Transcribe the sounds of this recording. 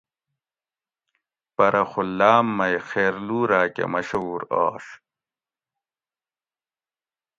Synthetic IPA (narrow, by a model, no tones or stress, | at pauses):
pɐɾʔɐxulːaːmːɐjxeːɾluːɾaːkḛmɐɕɐuːɾa̰ːɕ